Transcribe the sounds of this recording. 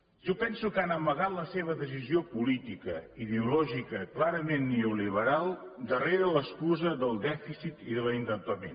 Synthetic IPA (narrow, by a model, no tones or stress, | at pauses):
ʒopɛnsukanəməɣat̪ləseβ̞əðəs̬iziopulit̪ikə̰iðeulɔʒikəklaɾəmenːeuliβ̞əɾalˠd̪əreɾələskuzəðəlˠd̪ɛfisit̪iðəlint̪ənpəmḛn